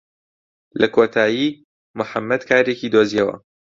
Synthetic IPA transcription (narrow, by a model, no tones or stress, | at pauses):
lɐkʰoːt̪ʰaːji | mʊħamːɐd̪kʰaːɾeciːd̪oːziɐwɐ̰